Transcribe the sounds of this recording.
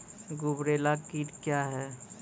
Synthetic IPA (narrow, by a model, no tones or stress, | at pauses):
ɡʊbɾeːlakiːʈkjaːɦɛ